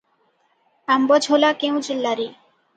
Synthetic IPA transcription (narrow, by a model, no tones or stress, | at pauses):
ambɔd͡ʑʱolakew̃d͡ʑelːaɾi